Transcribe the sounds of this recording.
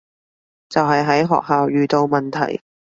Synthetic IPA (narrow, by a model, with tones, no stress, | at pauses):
t͡sɐ˨wɦɐ˨jɦɐ˨˥jɦɔ̰ː˨k̚ɦaː˨wjyː˨˧t̪o˧wmɐ˨nt̪ʰɐ̰˨˩j